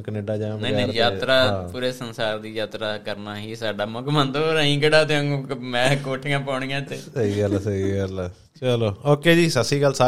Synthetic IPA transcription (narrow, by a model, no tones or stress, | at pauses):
kəneːɖaːd͡ʒãːmɛ̃ːẽːjaːt̪ɾaːpuːɾeːsənsaːɾd̪iːjaːt̪ɾaːkəɾnaːɦiːsaːɖaːmõkmənt̪oɾãĩːkəɖaːt̪eɦõŋɡõkmɛ̃ːkoːʈʰɪŋãːpaːɳ̃ĩːãːt̪ːeːsəiəlasəiəla | t͡ʃəloːoːkeːd͡ʒiːsəsiːɡəlsa